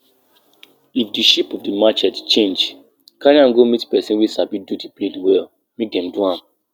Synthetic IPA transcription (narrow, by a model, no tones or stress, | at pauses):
ifdiʃipɔfdəmat͡ʃɛtt͡ʃẽnd͡ʒ | kaɾiãnɡomitpɛsĩnwisabidudipledwɛl | mek̚dɛ̃mduhãm